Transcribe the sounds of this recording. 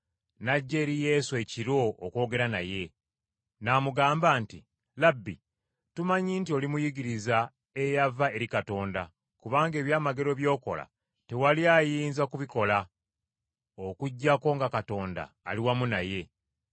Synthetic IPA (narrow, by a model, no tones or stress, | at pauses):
naɟːe̞ːɾije̞ːsue̞ciɾo̞ːko̞ːɡe̞ɾanaje̞ | namuɡaːmbaːnti | labːḭ | tumaɲiːntio̞limujiɡiɾiza | e̞javae̞ɾikato̞ːnda̰ | kuβaːŋɡe̞ːβjaːmaɡe̞ɾo̞βjo̞ːko̞̰la̰ | te̞waliajiːnzakuβiko̞la | okuɟːako̞ːŋɡakato̞ːnda̰ːliwamunaje̞